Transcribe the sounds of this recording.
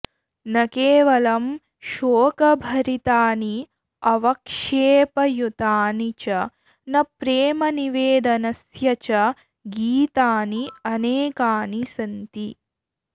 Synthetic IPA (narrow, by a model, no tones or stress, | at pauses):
nɐkeːʋɐlɐm | ʃoːkɐbʱɐɾit̪aːni | ɐʋɐkʂeːpɐjut̪aːnit͡ʃɐ | nɐpɾeːmɐniʋeːd̪ɐnɐsjɐt͡ʃɐ | ɡiːt̪aːniɐneːkaːnisɐnt̪i